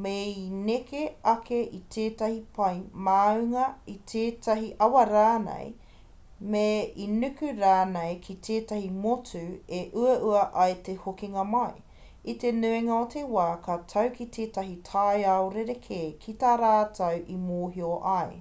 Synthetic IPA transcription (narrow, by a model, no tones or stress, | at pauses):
meinekeɐkʰeʔitʰeːtɐhipɐjmaːʉŋɐitʰeːtʰɐɦiʔɐwɐɾaːnḛj | meinʉkʉɾaːnejkʰitʰeːtɐhimotʉeʔʉɐʔuɐʔɐjtehokiŋɐmɐj | itenʉeŋɐotʰewaːkʰatʰɐwkitʰeːtɐɦitʰajɐoɾeɾekʰekʰitaːɾaːtʰɐwʔimoːɦioʔɐj